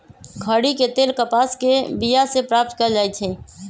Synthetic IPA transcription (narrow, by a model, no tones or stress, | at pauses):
kʰəɽiket̪eːlkəpaskebijasepɾap̚t̪̚kəɾd͡ʒajt͡ʃʰɛ